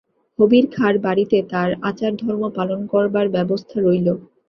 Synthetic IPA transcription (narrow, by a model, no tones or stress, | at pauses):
hobiɾkʰaɾbaɽit̪et̪aɾa̰t͡ɕaɾd̪ʱɔɾmopalonkɔɾbaɾbɛbost̪ʰaɾojlo